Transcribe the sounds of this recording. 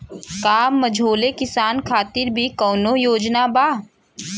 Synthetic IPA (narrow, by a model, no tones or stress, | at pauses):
kaːmːɐd͡ʒʱoːlekɪsaːnkʰaːt̪ɪɾbʱikɔːnojoːd͡ʒnabaː